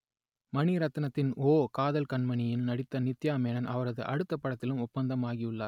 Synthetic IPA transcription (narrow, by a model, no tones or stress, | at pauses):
mɐɳiɾɐt̪ːɐnɐt̪ːɪnoːkaːðɐlkɐɳmɐnɪjɪnnɐɽɪt̪ːɐnɪt̪ːjaːmeːnɐnɐʋɐɾɐðɯ̰ʔɐɽɯt̪ːɐpːɐɽɐt̪ːɪlɯmʊpːɐnd̪ɐmaːɣɪɯɭːa̰ːɾ